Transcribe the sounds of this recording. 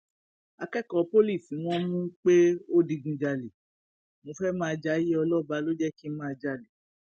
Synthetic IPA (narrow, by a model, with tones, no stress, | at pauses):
a˧kɛ˦˨kɔ˨˦po˦li˦˨sĩ˨˦w̃ɔ̃˦mũ˦k͡pe˦o˦di˧ɡũ˧d͡ʒa˧le˨ | mõ˧fɛ˦mãː˦˧d͡ʒa˨˦je˦ɔ˧lɔ˦˨ba˨˦lo˦d͡ʒɛ˦ki˦mã˦a˧d͡ʒa˧le˨